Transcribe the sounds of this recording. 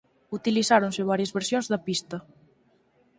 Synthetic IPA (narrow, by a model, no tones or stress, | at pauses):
ut̪ilisaɾonseβ̞aɾjezβeɾsjõnzðɐpist̪ɐ